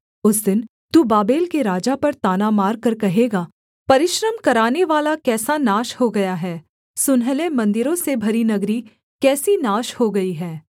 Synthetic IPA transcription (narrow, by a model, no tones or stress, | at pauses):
ʊsd̪ɪn | t̪ubaːbeːlkeɾaːd͡ʒapɐɾt̪aːnamaːɾkɐɾkɐɦeːɡaː | pɐɾɪʃɾəmkɐɾaːneʋaːlakɛːsanaːʃhoɡɐjaɦɛː | sʊnɦəlẽmɐ̃nd̪ɪɾõsebʱɐɾinɐɡɾi | kɛːsinaːʃhoɡɐiɦɛː